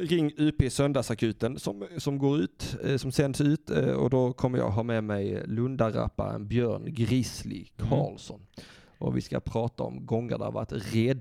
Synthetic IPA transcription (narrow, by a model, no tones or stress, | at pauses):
ɾɪŋːʉːpeːsœnd̪ɑsakʰʉ̟ːt̪ənsɔmsɔmɡoːɾʉ̟ːt̪sɔmsɛnd̪sʉ̟ːt̪ɔ̰d̪ɔkʰɔmːəɾjɑ̰ːɡɦɑːɾmɛmɛjlɵnd̪aɾa̰pːaə̰nbjœːɳɡɾɪslɪkʰɑːlsɔn | ʔɔvɪskapʰɾɑːt̪aɔ̰mɡɔŋːə̰ɖ̪æɾva̰ʈɾɛd̪